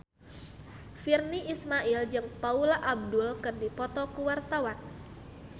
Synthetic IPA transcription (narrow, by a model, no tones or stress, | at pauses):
firniʔismaʔild͡ʒɨŋpaulaʔab̚dulkɨrdipɔt̪ɔkuwart̪awan